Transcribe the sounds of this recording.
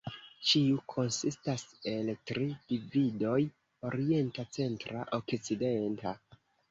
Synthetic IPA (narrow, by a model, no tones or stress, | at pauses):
t͡ʃiukʰo̞nsistase̞ltɾid̥ivido̞j | o̞ɾie̞ntat͡se̞ntɾa̰ʔo̞kt͡side̞nta